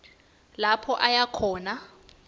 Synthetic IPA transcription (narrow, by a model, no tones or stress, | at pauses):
lapʰɔʔajakʰɔːna